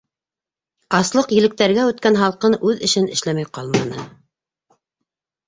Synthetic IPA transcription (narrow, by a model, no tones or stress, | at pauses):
ɑslˠɤqjɘ̆lɘ̆k̚t̪æɾɡæʉt̪̚kænɦɑlˠqɤnʉðɘ̆ʃɘnɘ̆ʃlæmæjqɑlˠmɑnɤ